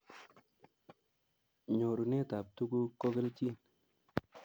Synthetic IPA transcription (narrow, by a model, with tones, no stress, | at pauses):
ɲo˨ɾu˨ne˦ta˨p̚tu˦ku˦ko˦ke˦lt͡ʃi˦˨n